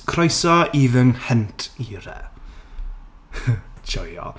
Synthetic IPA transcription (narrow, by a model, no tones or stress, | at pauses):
kʰrɔjsɔiðəŋhəntʰiːɾɛ̰ | t͡ʃɔjɔ̰